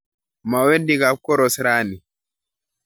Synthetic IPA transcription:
mawendiɡapkɔɾɔsɾaːni

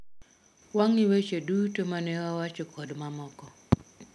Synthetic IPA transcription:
waŋɪwet͡ʃodutomanɛawat͡ʃɔkʰɔdmamɔkɔ

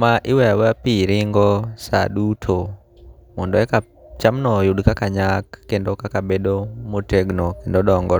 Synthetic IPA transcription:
maʔiwɛawapiɾiŋɡɔsa̰ɗutʰo | mɔndɔɛka | t͡ʃamnɔjuɗkakaɲakːendɔkakabɛɗɔmoteɡnɔkendɔɗɔŋɡɔ

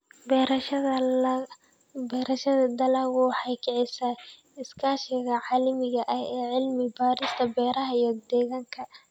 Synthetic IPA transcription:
bɛ | bɛːɾɐʃɐðɐd̪ɐlɐwuːħɑjkʰɪʕɪsɐ | ɪskʰaːʃɪɣɐʕɑlɐmɪɣɐʔɐhɛːʕɪlmɪbaːɾɪst̪ʰɐbɛːɾɐɦɐijɔd̪ɛːɣaːŋkʰɐ

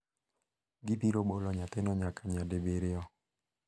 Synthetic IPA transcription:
ɡipiɾobolɔɲat̪enɔɲakʰaɲadebeɾɪɔ

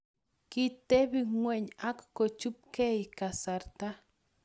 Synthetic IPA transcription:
kit̪ebiŋweʔɲakːot͡ʃup̚kejkasaɾt̪a

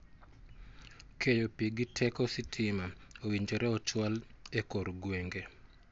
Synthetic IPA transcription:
kʰejopiɡitʰɛkɔsitʰɪmaowiɲd͡ʒoɾɛɔt͡ʃwalekoɾɡweŋɡe

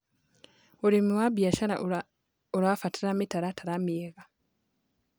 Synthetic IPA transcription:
olimiwabjaʃana̰ | oɾafatiɾamitaɾatʰaɾamieɣa

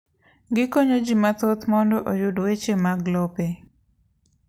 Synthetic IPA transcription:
ɡɪkoɲod͡ʒimat̪ot̪mɔndɔʔojʊdwet͡ʃemaɡlɔpe

